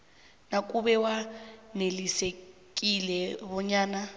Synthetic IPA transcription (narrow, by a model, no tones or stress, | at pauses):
nakuβɛwanelisek̬ʼilɛβɔɲaːna